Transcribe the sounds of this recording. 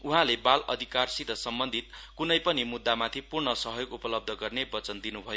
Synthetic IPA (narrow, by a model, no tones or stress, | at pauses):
uɦãlebalʌ̰d̪ʱikarsid̪ʱʌsʌmbʌnd̪ʱit̪kunʌjpʌnimud̪ːamat̪ʰipurɳʌsʌɦjoɡupʌlʌb̚d̪ʱʌɡʌrnebʌt͡sʌnd̪inubʱʌjo